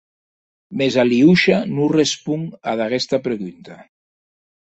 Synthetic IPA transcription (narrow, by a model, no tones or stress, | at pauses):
mezaliuʃanurespuŋaðaɣest̪apɾeɣunt̪a